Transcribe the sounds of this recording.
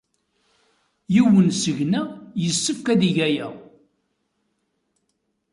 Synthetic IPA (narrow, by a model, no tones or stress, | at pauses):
jiwənsəʝnæjəsːəfkæðiʝæjæ